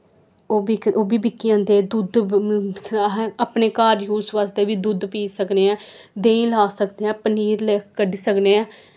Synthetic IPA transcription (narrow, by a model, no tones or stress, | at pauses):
oːbiːkoːbiːbɪkːɪãːnd̪eːd̪ud̪ | ɦaːpneːkaːɾjuːsʋasd̪eːʋiːd̪ud̪piːsəkneːãːd̪eːĩːlaːsəkd̪eːãːpəniːɾleːkkəɖisəkneːãː